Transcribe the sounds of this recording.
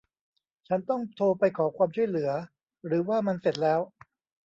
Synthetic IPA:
t͡ɕʰa˦˥nt̪ɔ˥˩ŋt̪ʰoː˧pa˧jkʰɔː˩˦kʰwaː˧mt͡ɕʰu˥˩əjlɯ˩˦ɐ | ɾɯː˩˦waː˥˩ma˧nse˨˩t̪̚lɛː˦˥w

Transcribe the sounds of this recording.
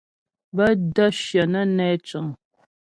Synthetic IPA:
bə˦də˦ʃjə˨nə˦nɛ˦t͡ʃə˨ŋ

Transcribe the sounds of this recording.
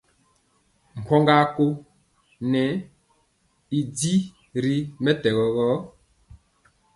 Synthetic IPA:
m̩ʰ˨ɔ˦ŋɡa˦ko˦ | nɛ˨˦ | i˨di˦ | ɾi˦mɛ˦tɛ˨ɣɔ˨ɣɔ˨˦

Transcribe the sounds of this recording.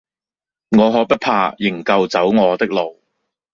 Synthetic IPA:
ŋɔː˨˧ɦɔː˨˥pɐ˥t̚pʰaː˧jɪ˨˩ŋkɐ˧wt͡sɐ˨˥wŋɔː˨˧t̪ɪ˥k̚lo˨w

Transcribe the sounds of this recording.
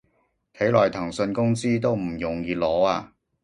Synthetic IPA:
k̪ʰe˨˥jlɔː˨jt̪ʰɐ˨˩ŋsɵ˧nkʊ˥ŋsiː˥t̪o˥wm̩˨˩jʊ˨ŋjiː˨˧lɔː˨˥aː˧

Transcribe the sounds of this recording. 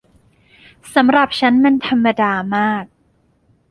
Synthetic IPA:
sa˩˦mɾa˨˩p̚t͡ɕʰa˦˥nma˧nt̪ʰa˧mːa˧daː˧maː˥˩k̚

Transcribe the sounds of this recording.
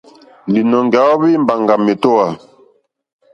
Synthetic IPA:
li˨nɔ˨ŋɡa˨˦ɔ˦bi˦m˨ba˨ŋɡa˨me˨tɔ˦wa˨

